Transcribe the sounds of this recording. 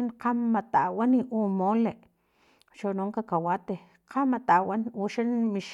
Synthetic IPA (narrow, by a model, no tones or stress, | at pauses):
inqamːat̪aʔwaniʔumoːleʔ | ʃonoːŋkakawat̪e | qʰamat̪aʔwanwuʃenmiʃ